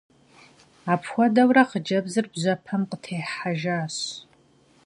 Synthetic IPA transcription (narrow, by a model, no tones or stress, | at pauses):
apʰxʷɐdɐwɾaqəd͡ʒɐbzɨrbʒʷɐpʰɐmqətʰejħaʒaːɕ